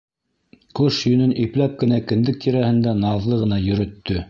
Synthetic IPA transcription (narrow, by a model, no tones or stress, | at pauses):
koʃjɵ̆nɵnʔiplæp̚kɘ̆nækɘ̆nd̪ɘk̚t̪iɾæhɘ̆nd̪ænɑðlˠɤʁɤ̆nɑjɵ̆ɾɵ̆t̪ːɵ